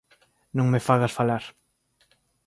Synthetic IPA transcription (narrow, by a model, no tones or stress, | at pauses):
nõŋmefaɣasfalaɾ